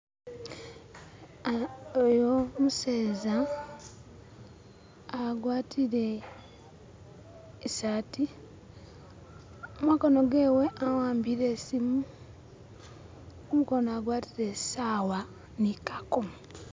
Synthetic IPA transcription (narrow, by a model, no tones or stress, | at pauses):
ojomuseːza | ɡwaːtʰiɾe̞ | saːti | omakono̞ɡe̞ːwe̞ʔawaːmbiɾe̞simu | omukonoaɡwaːtiɾe̞saːwa | nikako